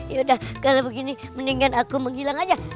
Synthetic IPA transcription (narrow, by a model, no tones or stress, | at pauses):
jaudahkalabəɡiniməniŋanakuməŋɦilaŋad͡ʒa